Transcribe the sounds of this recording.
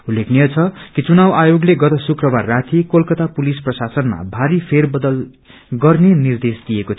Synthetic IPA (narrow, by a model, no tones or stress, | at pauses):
ulːekʰnijʌt͡sʰʌkit͡sunawajoɡleɡʌt̪ʌsukrʌbarːat̪ʰikolkʌt̪apulisprʌsasʌnma̰bʱaɾipʰerbʌd̪ʌl | ɡʌrnenird̪esd̪ijeko